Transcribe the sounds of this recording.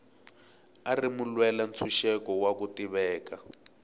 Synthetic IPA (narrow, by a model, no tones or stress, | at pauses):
arimulwɛlant͡sʰuʃɛkɔwakutiβɛːka